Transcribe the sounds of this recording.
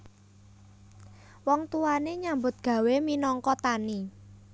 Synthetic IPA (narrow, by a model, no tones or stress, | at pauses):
wɔŋt̪uaneɲambʊt̪̚ɡ̥ä̤weminɔŋkɔt̪ani